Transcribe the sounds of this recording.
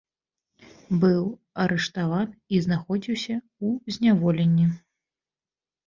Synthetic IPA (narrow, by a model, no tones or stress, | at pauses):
bɨw | ɐɾʔɛʂt̪avaniznaxɔd͡zʲiwsʲɐ | uzʲnʲavɔlʲenʲːi